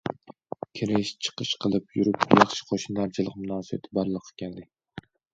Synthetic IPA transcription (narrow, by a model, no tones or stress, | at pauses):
kʲʰeɾeʃt͡ʃʰɨ̥qʰɨʃqʰɨlˠɪpjʊɾɪpjɑχʃɪ̥qʰoʃɪnd̪aɾt͡ʃʰɪlˠɪqmʊnɒːsij̰t̪ʰɪbaɾlˠɨqʰːɨkʲand̪ɪ